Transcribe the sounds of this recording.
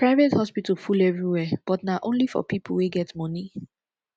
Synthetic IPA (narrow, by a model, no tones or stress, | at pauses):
pɹaɪvethɔspitəlfulɛvɹiwɛb̥ɔtnaʔõnlifɔ̰pipʰəlweɡɛtmɔni